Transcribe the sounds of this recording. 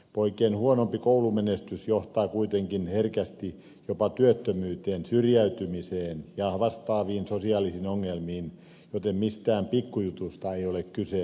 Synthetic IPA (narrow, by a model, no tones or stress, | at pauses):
poikeːnhuonompikoulumenest̪ysjoht̪ɑːkuit̪eŋkinherkæst̪i | jopɑt̪yøt̪ːømyːt̪eːnsyrjæyt̪ymiseːnjɑʋɑst̪ɑːʋiːnsosiɑːlisinoŋːelmiːn | jot̪emmist̪æːmpikːujut̪ust̪ɑeiolekkyse